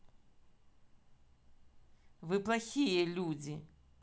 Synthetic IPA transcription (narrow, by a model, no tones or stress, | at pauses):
vɨplˠaxʲijɛlʲud͡zʲi